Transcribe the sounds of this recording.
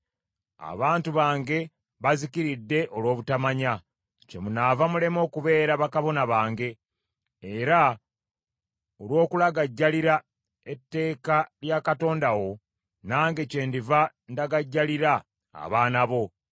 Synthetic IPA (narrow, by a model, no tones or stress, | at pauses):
a̰βaːntuβaːŋɡe̞ | βazikiɾidːe̞ʔo̞lwo̞ːβutamaɲa | ce̞munavamule̞mo̞ːkuβe̞ːɾaβakaβo̞naβaːŋɡe̞ː | ɾa | olwo̞ːkulaɡaɟːaliɾa | etːe̞ːkaljakato̞ːndawo̞ | naːŋɡe̞ce̞ːndiva | ndaɡaɟːaliɾa̰ː | βaːnaβo̞